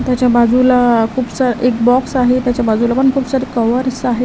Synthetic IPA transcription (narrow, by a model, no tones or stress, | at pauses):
t̪jat͡ɕjabad͡zulakʰuːbsaɾʔek̚bɔksaɦet̪jat͡ɕjabad͡zulapəɳkʰuːpsaɾekəʋəɾsaɦe